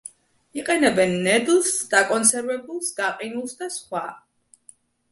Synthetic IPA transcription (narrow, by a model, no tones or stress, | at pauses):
iqʼɛnɛbɛnːɛd̪lˠsd̪̥akʼɔnsɛɾvɛbulˠsɡaqʼinulˠsd̪asχwa